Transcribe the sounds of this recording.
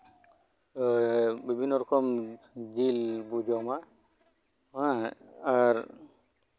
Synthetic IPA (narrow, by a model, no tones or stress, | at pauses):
bibʱinːɔɾɔkɔm | d͡ʒilbud͡ʒɔma | ɦãː | ɾ